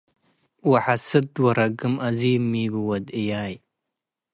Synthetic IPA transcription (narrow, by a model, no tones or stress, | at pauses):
waħasɨd̪wɐɾɐɡɨmʔɐziːmːiːbɨwɐd̪ijaːj